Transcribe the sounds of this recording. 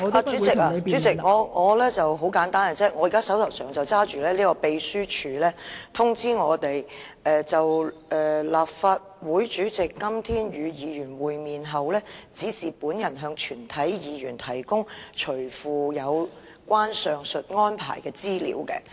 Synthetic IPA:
aː˨˩t͡ʃy˨˥t͡sɪ˨k̚a˧t͡ʃy˨˥t͡sɪ˨k̚ŋɔː˨˧ŋɔː˨˧lɛː˥t͡sɐ˨wɦo˨˥wkaː˨˥nt̪aː˥na˧t͡sɛː˥˨˩ŋɔ˨˧jiː˨˩kaː˥sɐ˨˥wt̪ʰɐ˨˩sœː˨ŋt͡sɐ˨wt͡saː˥t͡ʃyː˨lɛː˥liː˥kɔ˧pe˧jsyː˥t͡ʃʰyː˨˧lɛː˥t̪ʰʊ˥ŋt͡siː˥ŋɔː˨˧t̪e˨j | ɛː˨t͡sɐ˨wʔɛː˨laː˨p̚faː˧t̚wuː˨˥jt͡ʃyː˨˥t͡sɪ˨kːɐ˥mt̪ʰiː˥njyː˨˧jiː˨˧jyː˨˩nwuː˨jmiː˨nɦɐ˨wlɛː˥t͡siː˨˥siː˨˩puː˨˥njɐ˨˩nɦœː˧ŋt͡ʃʰyː˨˩nt̪ʰɐ˨˥jjiː˨˧jyː˨˩nt̪ʰɐ˨˩jkʊ˥ŋt͡ʃʰɵ˨˩fuː˨jɐ˨˧w | kʷwaː˥nsœː˨ŋsɵ˨t̚ŋɔː˥npʰa̰ː˨˩jkɛː˧t͡siː˥lḭː˨˧˥wkɛ̰ː˧

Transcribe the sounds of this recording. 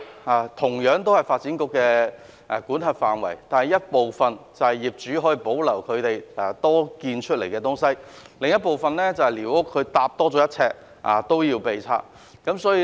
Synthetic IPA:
aː˨t̪ʰʊ˨˩ŋjœː˨˥ŋt̪o˥whɐ˨˩jfaː˧t̚t͡siː˨˥nkʊ˧kːɛː˧ | ʔkuː˨˥nɦɐ˨˧t̚faː˨nwɐ̰˨˩jt̪aː˨nhɐ˨˧jɐ˥t̚po˨wfɐ˨nt͡sɐ˨hɐ˨jiː˨p̚t͡ʃyː˨˥ɦɔː˨˥jiː˨˧po˨˥wlɐ˨˩wkʰɵ˨˧ɥt̪e˨ja˨t̪ɔː˥kiː˧nt͡ʃʰɵ˥t̚le˨˩jkɛː˧t̪ʊ˥ŋsɐ˥jlɪ˨ŋjɐ˥t̚po˨wfɐ˨nlɛː˥t͡sɐ˨˧hɐ˨jliː˨˩wʊ˥kʰːɵ˨˧ɥt̪aː˧p̚t̪ɔː˥t͡sɔː˨˥jɐ˥t̚t͡sʰɛː˧k̚ | ʔa̰ː˨t̪o˥wjiː˧wpe˨jt͡sʰa̰ː˧k̚ | kɐ˨˥msɔː˨˥jiː˧

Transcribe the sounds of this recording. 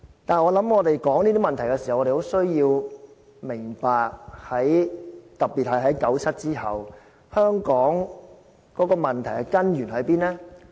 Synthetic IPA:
t̪aː˨n˨ŋɔː˨˧lɐ˨˥mŋɔː˨˧t̪e˨jkɔː˨˥ŋniː˥t̪i˥mɐ˨nt̪ʰɐ˨˩jkɛ˧si˨˩ɐ˨wɔː˨˧ɾe˨˩ho˨˥wsɵ˥ɥjiː˧w | mɪ˨˩ŋpaː˨k̚hɐ˨˥jt̪ɐ˨piː˨t̚hɐ˨jɦɐ˨˥jkɐ˨˥wt͡sʰɐ˥t̚t͡siː˥hɐ˨w | hœː˥ŋkɔː˨˥ŋ | kɔː˨˥kɔː˧mɐ˨˩nt̪ʰɐ˨˩jɐ˨˧kɐ˥njyː˨˩nɦɵ˨˥ɥpiː˥nlɛː˥

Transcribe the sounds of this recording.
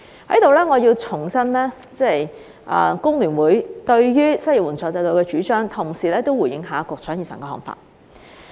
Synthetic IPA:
hɐ˨˥jt̪o˨wlɛː˥ŋɔː˨˧jiː˧wt͡sʰʊ˨˩ŋsɐ˥nlɛː˥ | t͡sɛː˥˨j | ʔɐ̰ː˧kʊ˥ŋlyː˨˩nwuː˨˥jt̪ɵ˧ɥjyː˥sɐ˥ji˨˩wuː˨˩nt͡sʰɔː˨˧t͡sɐ˧jt̪o˧wkɛː˧t͡ʃyː˨˥t͡ʃœː˥ŋt̪ʰʊ˨˩ŋsiː˨lɛː˥t̪o˥wu˨˩jɪ˨˧˥ŋɦaː˨kɔː˧k̚t͡sʰœː˨˥ji˨˩sœ̰ː˨˩kɛː˧ɔ̰˨ŋfa̰ː˧t̚

